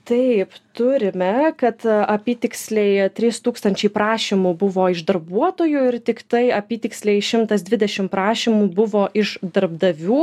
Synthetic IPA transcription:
t̪ɐɪpt̪ʊɾʲɪmʲɛkɐt̪ɐpʲiːt̪ʲɪksʲlʲɛɪt̪ʲɾʲiːst̪uːkst̪ɐnʲt͡ʃʲɛɪpɾɑːʃʲimubʊʋoːɪʒd̪ɐɾbuɔt̪oːjʊɪɾt̪ʲɪkt̪ɐɪɐpʲiːt̪ʲɪksʲlʲɛɪʃʲɪmt̪ɐsd̪ʲʋʲɪd̪ʲɛʃʲɪmpɾɑːʃʲimuːbʊʋoːʔɪʃd̪ɐrbd̪ɐʋʲuː

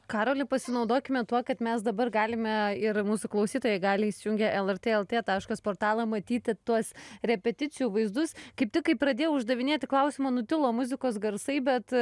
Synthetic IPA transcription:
kɑːɾoːlʲɪpɐsʲɪnɐʊd̪oːkʲɪmʲɛt̪uɔkɐt̪mʲɛsd̪ɐbɐrɡɑːlʲɪmʲɛɪrmuːsʊklˠɐʊsʲiːt̪oːjɛɡɑːlʲɪisʲɪjʊŋʲɡʲɛʔɛlˠɛrt̪ʲeːɛlˠt̪ʲeːt̪ɑːʃkospoːrt̪ɑːlˠɐmɐt̪ʲiːt̪ʲɪt̪uɔsɾʲɛpʲɛt̪ʲɪt͡s̪ʲɪjuːʋɐɪzd̪ʊskɐɪp̚t̪ʲɪkɐɪppɾɐd̪ʲeːjɛʊʒd̪ɐʋʲɪnʲeːt̪ʲɪklˠɐʊsʲɪmɐnʊt̪ʲɪlˠoːmʊzʲɪkoːsɡɐɾsɐɪbʲɛt̪

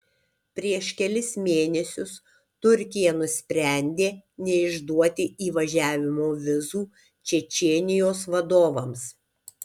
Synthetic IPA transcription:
pʲɾʲiɛʃkʲɛlʲɪsmʲeːnʲɛsʲʊs | t̪ʊɾʲkʲɪjɛnʊsʲpʲɾʲɛˑnʲd̪ʲeːnʲɛɪʒd̪uɔt̪ʲɪiːʋɐʒʲæːʋʲɪmoːʋʲɪzuː | t͡ʃʲɛt͡ʃʲeːnʲɪjoːsʋɐd̪oːʋɐms

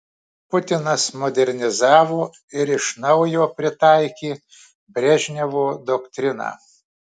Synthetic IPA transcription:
pʊt̪ʲɪnɐsmɔd̪ʲɛɾʲnʲɪzɑːʋoː | ɪɾɪʃnɐʊjoːpʲɾʲɪt̪ɑɪkʲiː | bʲɾʲɛʒʲnʲɛʋoːd̪ɔkt̪ʲɾʲɪnɑ̰ː

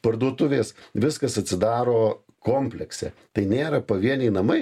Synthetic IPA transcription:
pɐrd̪uɔt̪ʊʋʲeːsʋʲɪskɐsɐt̪ʲsʲɪd̪ɑːɾoː | koːmʲpʲlʲɛksʲɛ̰t̪ɐɪnʲeːɾɐpɐʋʲiɛnʲɛɪnɐmɐɪ

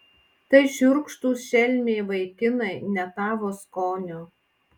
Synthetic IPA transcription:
t̪ɐɪʃʲʊɾkʃt̪uːsʃʲɛlʲmʲeːʋɐɪkʲɪnɐɪnʲɛt̪ɑːʋoːskoːnʲoː

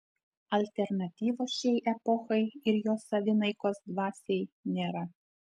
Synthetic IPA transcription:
ɐlʲt̪ʲɛɾnɐt̪ʲiːʋoːsʃʲɛɪʔɛpɔxɐɪɪɾjoːsɐʋʲɪnɐɪkoːsd̪ʋɑːsʲɛɪnʲeːɾɐ

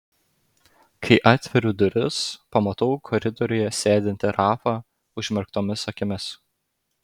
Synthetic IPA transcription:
kʰɐɪʔɑːt̪ʲʋʲɛɾʲuːd̪ʊɾʲɪspɐmɐt̪ɔʊkʰɔɾʲɪd̪ɔɾʲʊjɛsʲæːd̪ʲɪnʲt̪ʲɪɾɑːfɑ | ʊʒʲmʲɛɾkt̪oːmʲɪsɐkʲɪmʲɪs

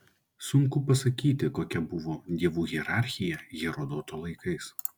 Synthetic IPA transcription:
sʊŋkʊpɐsɐkʲiːt̪ʲɪkoːkʲɛbʊʋoːd̪ʲiɛʋuːɣʲiɛɾɑˑɾʲxʲɪjɛɣʲɛɾoːd̪oːt̪oːlˠɐɪkɐɪs

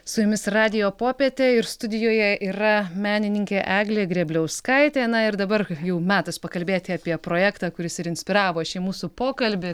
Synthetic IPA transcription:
sʊjʊmʲɪsrɑːd̪ʲɪjoːpoːpʲet̪ʲeːɪɾst̪ʊd̪ʲɪjoːjɛʔiːɾɐmʲæːnʲɪnʲɪŋʲkʲeːʔæːɡlʲeːɡɾʲɛːbʲlʲɛʊskɐɪt̪ʲeːnɐɪɾd̪ɐbɐrjɛʊmʲæːt̪ɐspɐkɐlʲbʲeːt̪ʲɪɐːpʲiɛpɾoːjæːkt̪ɑːkʊɾʲɪsɪɾɪnʲsʲpʲɪɾɑːʋoːʃʲɛːmuːsupoːkɐlʲbʲɪ

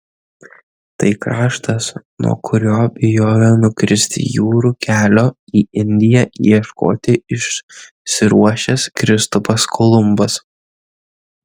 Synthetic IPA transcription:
t̪ɐɪkɾɑːʃt̪ɐsnṵɔ̰kʰʊɾʲoːbʲɪjoːjonʊkɾʲɪsʲt̪ʲɪ̰juːɾuːkʲæːlʲoːiːɪnʲd̪ʲɪjɛiɛʃko̰ːt̪ʲɪɪʃ | sʲɪɾuɔʃʲɛskɾʲɪst̪ʊpɐskʰolˠʊmbɐs

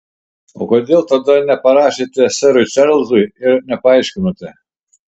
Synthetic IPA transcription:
o̰ːkoːd̪ʲeːlˠt̪ɐd̪ɐnʲɛpɐɾɑːʃʲet̪ʲɪsʲɛɾʊɪt͡ʃʲɛɾlˠzʊɪɪɾnʲɛpɐɐɪʃʲkʲɪnot̪ʲɪ

